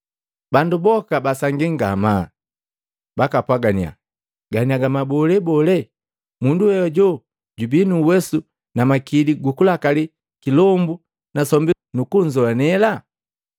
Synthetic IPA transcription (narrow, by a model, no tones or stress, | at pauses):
bandubɔkabasaŋɡiŋɡa̰ma | bakapwaɡania̰ | ɡaniaɡamabɔlɛbɔlɛ | munduhɛjɔɟɔ | ɟubinuːwɛsu | namakiliɡukulakali | kilɔmbu | nasɔmbi | nukuɲd͡ʒɔanɛla